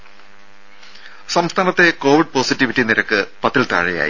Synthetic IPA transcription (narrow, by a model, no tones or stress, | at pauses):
sɐmst̪ʰaːnɐt̪ːe̞ko̞ːʋiɖ̚po̞ːsitːiʋitːiniɾɐkːɨpɐt̪ːilt̪ɐ̰ɻɐja̰ːjḭ